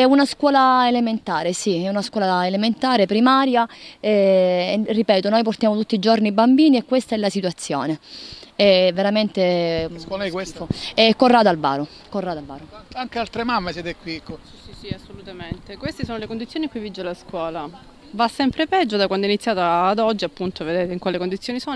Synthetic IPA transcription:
ɛunaskwɔːlaelement̪aːɾesiɛunaskwɔːlaelement̪aːɾepɾimaːɾjaɛ | ripɛːt̪onojport̪jaːmot̪ut̪ːid͡ʒornibːambiːniɛkːwest̪aɛlasit̪uat̪sːjo̰ːneɛvːeɾament̪eɔlkwesɛkːorːaːd̪alva̰ːɾo | korːaːd̪alvaːɾoaŋkealt̪ɾemamːesjɛːt̪ekwikːo | isiasːolut̪ament̪ekwest̪esoːnolekond̪it̪sːjoniŋkujvid͡ʒːelaskwɔːla | vasːɛmpɾepɛd͡ʒːod̪akwand̪oinit̪sːjaːt̪aːd̪ɔd͡ʒːiapːunt̪oved̪eːt̪eiŋkwaːlekond̪it̪sjoːniso

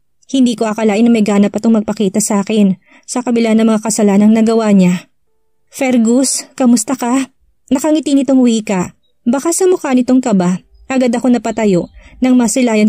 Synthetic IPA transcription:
hɪnd̪iːko̞ʔɐkɐlaːʔɪnɐmɐjɡaːnɐpɐt̪oŋmɐɡ̚pɐkiːt̪ɐsɐʔaːkɪn | sɐkɐbɪlanːɐŋmɐŋakɐsɐlanɐŋnɐɡɐwaɲa | fɛɾɡuskɐmʊst̪ɐkɐ | nɐkɐŋɪt̪inɪt̪oŋwiːkɐʔ | bɐkasɐmʊkanɪt̪oŋkɐba | ʔɐɡad̪ɐko̞nɐpɐt̪ɐjo̞ʔnɐŋmsɪlaːjɐn

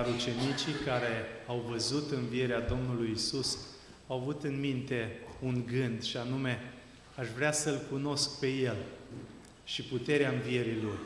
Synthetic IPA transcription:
aɾut͡ʃe̞nit͡ʃikaɾe̞awvəzut̪ɨnvie̞ɾead̪o̞mnulujisus | awavut̪ɨnmint̪e̞unɡɨnd̪ʃianume̞ | aʃvɾeasəlkuno̞sk̚pe̞je̞l | ʃiput̪e̞ɾeaɨnvie̞ɾilor

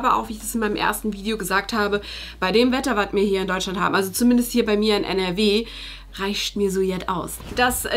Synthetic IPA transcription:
bɐʔa̰ʊxviːɪçd̥asɪnmaɪnəmʔḛːɐstn̩viːdeoɡəzaːk̚thaːbəb̥aɪdeːmvɛtɐvatmiːɐhiːɐɪndɔʏt͡ʃlantha̰ːm̩ʔalzot͡sumɪndəst̚hiːɐbaɪmiːɐaɪnʔɛ̰nɛɐveː | ʁaɪʃtmiːɐzoːjɛtʔa̰ʊs | d̥as

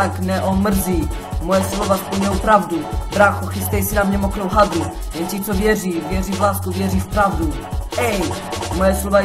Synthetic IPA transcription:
aknɛʔɔmr̩zi | mɔjɛslɔvasplɲɛwpɾavd̪ubɾaxɔxist̪ɛjsinamɲɛmɔkɾɔwɦad̪ɾu | jɛnt͡ɕitsɔvʲjɛʐivʲjɛʐivlaskuvʲjɛʐifpɾavd̪u | ɛj | mɔjɛslɔva

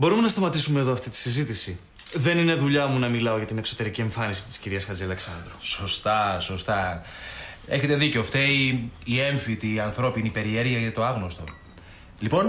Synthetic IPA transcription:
bo̞ɾume̞nɐst̪ɐmɐt̪isume̞ːðoɐft̪it̪i̥sizit̪isi | ðe̞nine̞ðuʎɐmunɐmilɐo̞ʝɐt̪ine̞kso̞t̪e̞ɾicie̞ɱfɐnisi̥t̪i̥sciɾiɐsxɐd͡ziɐle̞ksɐnd̪ɾoso̞st̪ɐso̞st̪ɐ | e̞çe̞t̪e̞ðiceoft̪eiːeɱfit̪iɐnθɾo̞pinipe̞ɾie̞ɾʝiɐʝɐt̪o̞ɐɣnost̪o̞ | lipo̞n

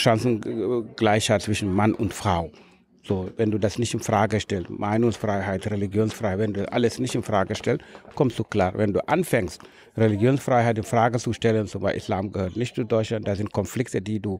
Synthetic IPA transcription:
ʃansn̩ɡ̥laɪçhatt͡sv̥ɪʃn̩manʔʊntfʁ̥aʊ | z̥oːvɛnduːdasnɪçtɪnfʁ̥aːɡəʃtɛltmʔaɪnʊŋsfʁ̥aɪɦaɪtʁeliɡjoːnsfʁ̥aɪhaɪtvɛnduːʔa̰ləsnɪçtɪnfʁ̥aːɡəʃtɛltkʰɔmtt͡suklaːvɛnduːʔanfɛŋst | ʁeliɡjoːnsfʁ̥aɪɦaɪtɪnfʁ̥aːɡət͡suʃtɛlənzʊva̰ʔḭslaːmɡəhøːɐtnɪçtt͡sudɔɪt͡ʃlant̚d̥aːzɪnt̚kʰɔnflɪk̚tədiːduː

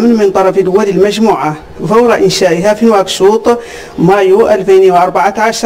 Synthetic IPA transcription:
mnmənt̪ˤɑɾˤɑfəlwæləlmæʒmuːʕa | fɑwɾɑʔɪnʃæʔəɦæfinwækʃuːt̪ˤ | mæjuʔælfinwʔɑɾˤbaʕaʕaʃ

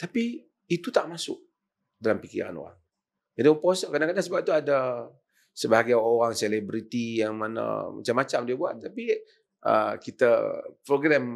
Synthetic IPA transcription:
t̪apiː | t̪ut̪aʔmasʊ̰k̚ | dalampikḭɾa̰no̰ɾa̰ŋ | d͡ʒadioposəkadaŋkadaŋsəbap̚t̪uada | səbaaɡaoɾaŋselɛbɾit̪ijaŋmanə̰ma̰t͡ʃamːat͡ʃamdiabua̰t̪̚t̪ːapi | ʔə̰kit̪apɾoɡɾɛm

